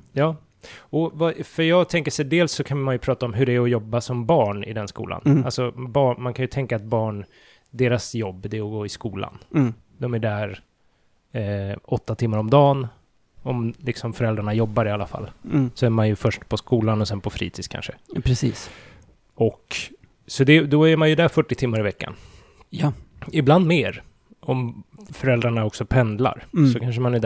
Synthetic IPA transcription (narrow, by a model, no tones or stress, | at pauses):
jɑː | ɔvafœɾjɑːɡt̪ʰɛŋkəʂɛd̪eːlsːɔkʰanmanjɵpʰɾɑːt̪aɔmɦɵɖɛːɾɔjɔbːasɔmbɑːɳɪ̰d̪ɛnskṵːla̰nalsɔbɑːɳmankʰanjɵt̪ʰɛŋkaːt̪̚bɑːɳ | d̪eːɾasjɔbːd̪ɛɔɡoːɪskuːla̰n | d̪ɔmæɖæɾ | ʔɔt̪ːat̪ʰɪmːaɾɔmd̪ɑːn | ɔmlɪksɔmfœɾɛld̪ɾaɳajɔbːaɾɪalːafa̰lːsɔæɾmanjɵfœʂʈpʰɔskuːlanɔsɛnpʰɔfɾḭːt̪ʰi̥ːkʰa̰nʂəpʰɾɛsiːs | ɔk | sɔd̪ɛd̪ɔæɾmanjɵd̪æɾfœʈːɪt̪ʰɪmːaɾɪvɛkːa̰n | jɪbland̪meːɾ | ɔmfœɾɛld̪ɾaɳaɔksɔpʰɛnd̪la̰ɾsɔkʰanʂ̬əmanæɖ